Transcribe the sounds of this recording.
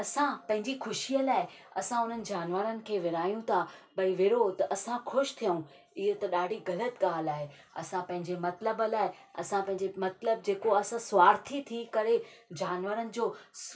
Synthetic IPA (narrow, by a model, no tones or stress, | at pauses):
ɐsãpɐ̃ɦɪ̃ɲd͡ʑixʊʃiːəlaːɦɪ | ɐsãʊn̤ənɪ̆d͡ʑaːnʋəɾənɪ̆kʰeːʋɪɾaːijũt̪ʰabɐiʋɪɽot̪ɐʔɐsãxʊʃt̪ʰijəũ | ɪɦət̪ɐɗaːɖʱiɣɐlət̪ɠaːlaːɦe | ɐ̰sãpɐ̃ɦɪ̃ɲd͡ʑemɐt̪ləbəlaːɪɐ̰sãpɐ̃ɦɪ̃ɲd͡ʑemɐt̪ləb̚d͡ʑeːkoɐsãsʊʋaːɾt̪ʰit̪ʰiːkɐɾed͡ʑaːnʋəɾənɪ̆d͡ʑoː